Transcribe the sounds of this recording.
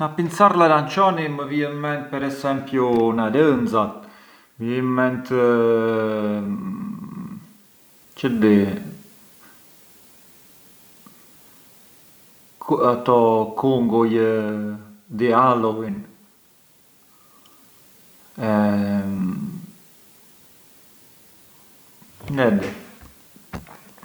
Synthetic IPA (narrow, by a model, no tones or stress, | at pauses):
napint͡saɾlalant͡ʃɔniməviɛmmɛnt̪̚pɛɾɛsɛmpjunaɾənd͡zat̪̚ | vjɛmmɛnt̪ | t͡ʃəd̪i | at̪ɔkuŋɡɔjə | d̪ialɔwin | ɛ | nɛd̪i